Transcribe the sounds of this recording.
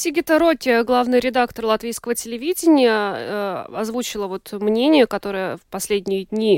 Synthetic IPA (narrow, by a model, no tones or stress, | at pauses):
sʲiɡʲɪt̪əɾotʲɪɡlˠavnɨjɾʲɪd̪akt̪ərlˠɐt̪vʲijskəvətʲɪlʲɪvʲidʲɪnʲɪjə | ɐzvut͡ɕɪlˠəvo̞t̪mnʲenʲɪjəkɐt̪o̞ɾəjəfpɐsʲlʲedʲnʲɪjədʲnʲi